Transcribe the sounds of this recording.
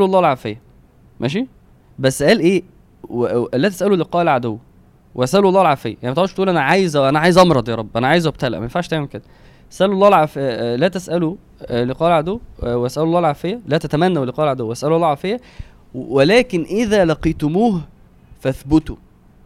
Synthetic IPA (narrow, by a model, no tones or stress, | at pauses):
ɑlːˤɑːlʕafejːæ | mæ̰ːʃ̬i | bæsːæʔælʔeː | læt̪æsʔæloleqɑːʔelʕad̪owː | wʔeʔæsʔæluɑlːɑːlʕaːfejːæjaʕnmt̪eʕod̪ʃt̪ʔuːlʔænæʕaːjzwʔænæʕaːjezʔɑmɾˤɑd̪ˤjɑːɾˤɑbːʔænæʕaːjezwæb̚t̪ælæ̰ʔmæjenfaʕʃt̪æːmemked̪æ | ʔæ̥sʔællːˤɑːhlʕaːfejælæt̪æsʔælu | lːeqɑːʔelʕad̪owːwʔæsʔæloɑlːˤɑːlʕaːfejːælæt̪æt̪æmænːæwelːeqɑːʔelʕad̪owːʔæsʔælolˤːɑːʕaːfejːæ | welæːkenʔɪðæːlɑqiːt̪omuːh | fæθbʊt̪o